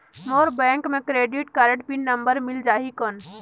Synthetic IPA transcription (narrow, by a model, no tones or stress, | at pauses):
moːɾbɛ̃ːŋkmẽkɾeːɖiʈkaɾəʈpinːə̃mbəɾmɪld͡ʒaːɦikən